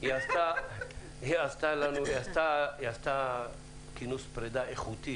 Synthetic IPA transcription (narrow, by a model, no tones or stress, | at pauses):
iasta | iast̪alanuiast̪aiast̪a | kinuspʁed̪aeχut̪i